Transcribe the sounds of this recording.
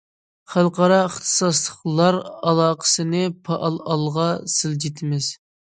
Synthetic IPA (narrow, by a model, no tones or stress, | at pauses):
χælˠqʰɑɾɑəχt̪ʰɨ̥sɑslˠəχlˠɑɾɑlˠɑːqʰə̥sɨnɨpʰɑʔɑlˠɑlˠʁɑsɪld͡ʒet̪ʰɪmɪz̥